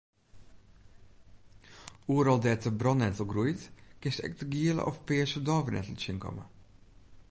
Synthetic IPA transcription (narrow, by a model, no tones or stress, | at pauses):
uːəɾɔlˠdɛːtəbrɔnɛtəl̩ˠɡrujtkɪstɛ̰k̚təɡiələ̰ʔɔfpɪːəsədɔːvənɛ̰təl̩ˠt͡ʃɪnkʰɔ̰mə̰